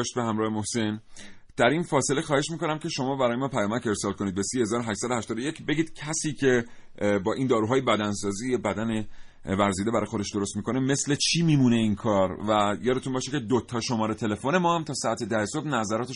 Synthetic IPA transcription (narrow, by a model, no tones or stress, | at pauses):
ʃt̪̚behæmɾɒːhemohse̞n | d̪̥æɾinfɒːse̞lexɒːhe̞ʃmiːko̞næmcʰe̞ʃo̞mɒːbæɾɒːjemɒːpʰæjɒːmæce̞ɾsɒːlko̞niːd̪besiːhe̞zɒːɾoɦæʃt̪sæd̪ohæʃt̪ɒːd̪oje̞cʰbe̞ɟiːd̪̥̚cʰæsiːcʰe̞ | bɒːʔind̪ɒːɾuːɦɒːjebæd̪ænsɒːziːjebæd̪æne | væɾziːd̪eæɾɒ̰ːjxo̞d̪e̞ʃd̪o̞ɾo̞st̪miːkʰo̞ne̞me̞sle̞t͡ʃʰiːmiːmune̞inkʰɒːɾvæjɒːd̪e̞t̪unbɒːʃece̞d̪ot̪ʰɒːʃo̞mɒːɾet̪ʰe̞le̞fone̞mɒːhæmt̪ʰɒːsɒæt̪ʰed̪æheso̞bnæzæɾɒːt̪ʰe